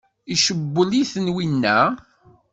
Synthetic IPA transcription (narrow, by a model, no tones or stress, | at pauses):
iʃəbːəliθənwinːæ